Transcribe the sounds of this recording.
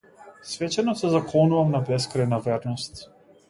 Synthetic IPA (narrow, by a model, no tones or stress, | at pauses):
svɛt͡ʃɛnɔsɛzaklˠɔnuvamnabɛskɾajnavɛɾnɔst̪